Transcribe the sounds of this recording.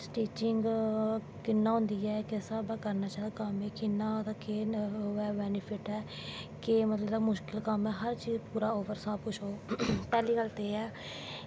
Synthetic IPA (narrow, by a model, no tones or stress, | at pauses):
ʈiːt͡ʃɪŋɡ | kɪnːaːɦʊ̃ːnd̪iːɛːkesəbaːkəɾnaːt͡ʃaːd̪aːkəmeːkɪnːaːd̪aːkeːɦoɛːbɛːnɪpʰɪʈɛː | keːmət̪ləbd̪aːmʊʃkɪlkəmɛːɦəɾt͡ʃiːzpuːɾaːoːʋəɾsãːpʊt͡ʃʰoːpɛːliːɡəlt̪eːɛː